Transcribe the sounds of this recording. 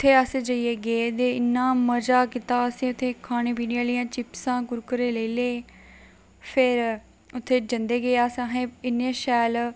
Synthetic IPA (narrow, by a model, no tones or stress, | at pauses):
ʊt̪ʰːeːəsed͡ʒəieːɡed̪eːɪnːãːməd͡ʒaːkɪt̪aːəsĩːʊt̪ʰːeːkʰaːnẽːp̬iːniaːlijãːt͡ʃɪpsãːɡʊɾkəɾeːləiːleː | pʰɪɾ | ʊt̪ʰːeːd͡ʒənd̪eːɡeːaːsãɦẽːɪnːeʃɛːl